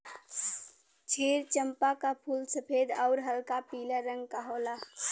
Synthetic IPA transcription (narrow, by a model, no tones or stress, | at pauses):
t͡ʃʰeɾt͡ʃəmpakapʰulsəpʰed̪əʊɾɦəlkapiːləɾəŋɡ̚kaɦola